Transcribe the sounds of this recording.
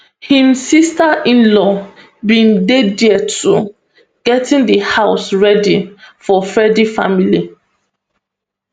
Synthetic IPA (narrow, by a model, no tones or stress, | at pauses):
hĩmsistaʔĩnlɔ | bĩndediətʰu | ɡ̥ɛtʰĩŋdəhaʊsɹɛdifɔfɛdifa̰mili